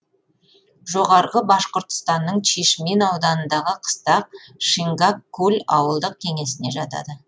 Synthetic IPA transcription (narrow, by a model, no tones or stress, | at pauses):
ʒo̞ʁɑɾʁəbɑʃqəɾt̪ə̥st̪ɑnːəɴʃʰeʃme̞nɑwd̪ɑnənd̪ɑʁəqʰə̥st̪ɑq̚ʃiŋɡakːɵlʲɑwəlˠd̪əq̚kʲʰe̞ŋe̞sɪne̞ʒɑt̪ɑ̰d̪ə